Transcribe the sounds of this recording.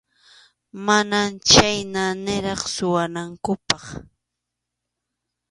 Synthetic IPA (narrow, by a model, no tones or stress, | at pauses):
manamt͡ʃajnanɪɾɑχsʊwanaŋkʊpɑχ